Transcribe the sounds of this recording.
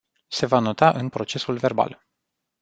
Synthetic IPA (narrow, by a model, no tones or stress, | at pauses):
se̞vano̞t̪aʔɨnpɾo̞t͡ʃe̞sulve̞rba̰l